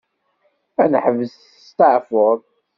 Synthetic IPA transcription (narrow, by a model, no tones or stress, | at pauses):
ænħəvəz | st̪əʕfʊɾˤ